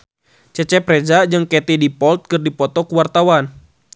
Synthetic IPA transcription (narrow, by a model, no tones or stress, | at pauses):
t͡ʃɛt͡ʃɛpɾɛd͡ʒad͡ʒɨŋkɛt̪idipɔlt̪̚kɨrdipɔt̪ɔkuwart̪awan